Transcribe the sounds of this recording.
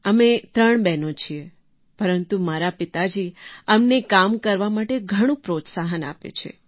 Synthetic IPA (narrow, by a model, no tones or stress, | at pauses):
əmet̪ɾəɳbɛnot͡ʃʰie | pəɾənt̪umaɾapɪt̪ad͡ʒiəmnekamkəɾʋamaʈeɡʱəɽ̃ũpɾot̪saɦəna̰pḛt͡ʃʰḛ